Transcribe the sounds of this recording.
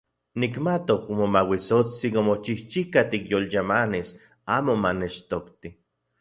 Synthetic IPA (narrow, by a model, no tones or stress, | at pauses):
nikmat̪okomomawisot͡sːiŋomot͡ʃiht͡ʃikat̪ikjoljamanis | aːmomanet͡ʃt̪okt̪i